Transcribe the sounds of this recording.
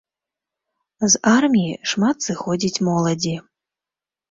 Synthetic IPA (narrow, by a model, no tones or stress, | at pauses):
zarmʲijiʂmat̪sɨxɔd͡zʲit͡sʲmɔlˠɐd͡zʲi